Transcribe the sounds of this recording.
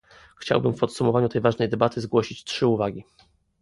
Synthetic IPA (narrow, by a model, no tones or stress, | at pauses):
xt͡ɕa̰wbɘmfpɔt̪sumɔvaɲut̪ɛjvaʐnɛjd̪ɛbat̪ɘzɡwɔɕit͡ɕtʂɘuvaɡʲi